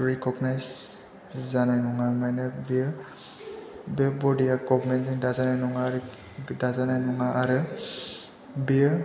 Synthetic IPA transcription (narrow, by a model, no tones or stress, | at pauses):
ɹikɔɡnajz | zanajnɔŋamajnabi | bebɔdijaɡɔbmɛntziŋdazanajnɔŋaɾ | dazanajnɔŋaʔaɾɯ | bi